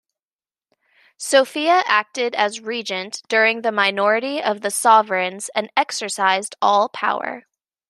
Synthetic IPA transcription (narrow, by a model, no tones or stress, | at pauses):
soʊfiɨʔæk̚tɪɾɨzɹid͡ʒɨ̃nd̥ʊɹɪ̃ŋðɨmaɪnɔɹɨɾiʌvðɨsɑvɹɨ̃nz̥ɨ̃nɛksə˞saɪzdɔlˠpʰa̰ʊə̰˞